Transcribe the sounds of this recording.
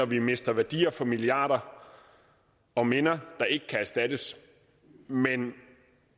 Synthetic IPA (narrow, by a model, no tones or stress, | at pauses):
ɒʋime̝sd̥ɐʋæɐd̥ḭːɐfɒ̽miliɑ̰̈ːd̥ɐ | ɒ̽menɐd̥ɑ̈ʔe̝ɡ̥əkʰææɐsd̥æd̥əs | men